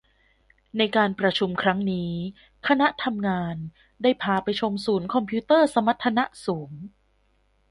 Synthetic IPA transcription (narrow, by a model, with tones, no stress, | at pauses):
na˧jkaː˧npɾa˧t͡ɕʰu˧mkʰɾa˦˥ŋniː˦˥ | kʰa˧na˦˥ʔt̪ʰa˧mŋaː˧n | daː˥˩jpʰaː˧pa˧jt͡ɕʰo˧msuː˩˦nkʰɔ˧mpʰiː˦˥t̪ɤː˥˩sa˧ma˦˥t̪ʰːa˧na˦˥ʔsuː˩˦ŋ